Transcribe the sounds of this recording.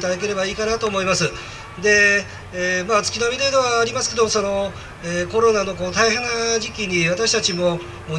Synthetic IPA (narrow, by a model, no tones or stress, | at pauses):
t̪ad̪ak̬e̞ɾe̞baiːkanat̪o̞ːmo̞imasɨ | d̪e̞ | maːt͡sɨ̥kʲinomʲid̪ed̪e̞βaːɾʲimasɨ̥ke̞d̪omo̞so̞no̞ | eko̞ɾo̞nano̞ko̞ːt̪aiɦẽnːaʑikʲiɲ̟iβat̪aɕi̥t̪at͡ɕimo̞ | mo